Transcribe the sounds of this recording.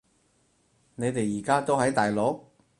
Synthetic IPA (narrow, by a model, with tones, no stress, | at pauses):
ne˨˧jt̪e˨jːiː˨˩kaː˥t̪o˥wɦɐ˨˥jt̪aː˨jlo˨˥k̚